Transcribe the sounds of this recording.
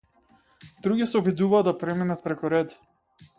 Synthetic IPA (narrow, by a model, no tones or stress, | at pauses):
d̪ɾuɡʲisɛɔbid̪uvaːapɾɛminat̪̚pɾɛkuɾɛd̪